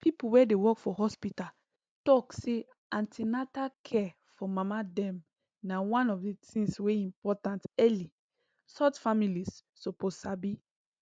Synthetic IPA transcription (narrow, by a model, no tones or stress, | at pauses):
pʰipuwɛdewɔkfɔɦɔspita | tɔkse | ãntʰinatakʰɛ | fɔmamadɛ̃m | nawãnɔfdetĩsweĩmpɔtãntɛli | sɔtfamilisː | opozsabi